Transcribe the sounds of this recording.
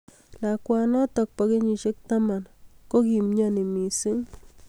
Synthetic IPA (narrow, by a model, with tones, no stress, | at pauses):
la˨kʷa˧na˦t̪a˧k̚pa˧ɡe˦ɲi˧ʃe˦k̚t̪a˦ma˨nko˦ɡi˧mɲa˧ni˨mi˨si˦ŋ